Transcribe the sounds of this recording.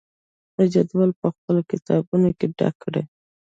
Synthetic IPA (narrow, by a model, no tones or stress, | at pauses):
ad͡ʒad̪walpəxpəlokɪt̪ɑbunokeɖa̰kʰːəɽḛ